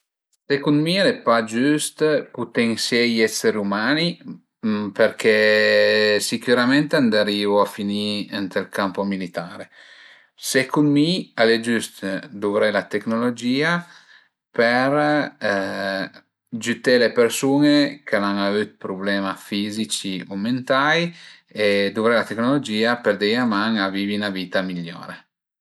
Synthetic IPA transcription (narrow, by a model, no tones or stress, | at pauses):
sekunmialepad͡ʒyst̪put̪eŋsjɛjɛseɾumani | peɾkʰe | sikyɾamɛnt̪eand̪aɾiːvoafiniɛnt̪ɾelkampomilit̪aːɾe | sekunmialed͡ʒyst̪d̪uvɾɛlat̪eknolod͡ʒiːa | peɾ | d͡ʒyt̪elepeɾsunekʰenaŋavyt̪̚pɾublɛmafizit͡ʃiument̪aj | ed̪uvɾɛlat̪eknolod͡ʒiːapeɾd̪ejamaŋaviːvinaviːt̪amilːo̰ːɾe